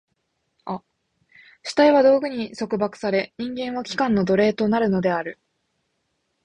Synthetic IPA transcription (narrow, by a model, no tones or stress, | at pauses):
a | ɕi̥t̪aiβad̪o̞ːɡɯ̟ɲ̟iso̞kɯ̟bakɯ̟̥saɾe̞ɲ̟ĩŋɡẽ̞ɰ̃βakʲi̥kãnːo̞d̪o̞ɾe̞ːt̪o̞naɾɯ̟no̞d̪e̞aɾɯ̟